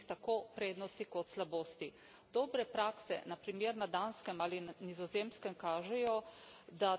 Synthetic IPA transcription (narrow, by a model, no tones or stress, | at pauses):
xt̪akoːpɾeːd̪nɔst̪ikɔt̪slaboːst̪i | d̪̥ɔːbɾɛpɾaːksɛ̰napɾimeɾnad̪anskɛmaːlinizɔzemskɛmkaːʒɛjɔd̪a